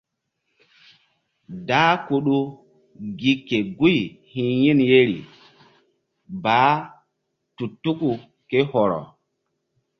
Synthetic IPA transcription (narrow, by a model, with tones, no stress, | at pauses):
daː˦ku˨ɗu˦ | ɡi˦kːe˨ɡu˦jhĩ˨ji˦nje˦ɾḭ˨ | ba˨˦ | tu˨tːu˦ku˨ | ke˦hɔ˨ɾɔ̰˨